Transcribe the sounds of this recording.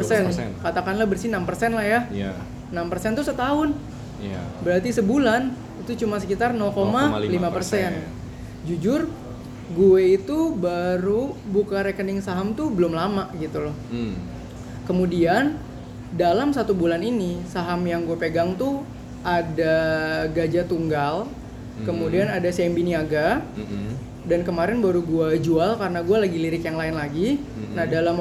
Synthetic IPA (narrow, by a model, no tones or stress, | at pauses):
əsɛnkat̪akanlahbərsinampərsɛnlahjaj | nampərsɛnt̪usət̪aɦʊn̰ | bəɾat̪isəbulan | it̪ut͡ʃumasəkit̪arnɔlkomalimappərsɛn | d͡ʒud͡ʒʊr | ɡueit̪ubaɾubukaɾekənɪŋsaɦamt̪ubəlʊmlamaʔɡit̪ulɔh | kəmudian | dalamsat̪ubulaninisaɦamjaŋɡuapeɡaŋt̪u | adaɡad͡ʒat̪uŋɡal | kəmudianadasɛmbiniaɡa | dankəmaɾɛnbaɾuɡuad͡ʒualkarnaɡualaɡiliɾɪkjaŋlaɪnlaɡinahdalam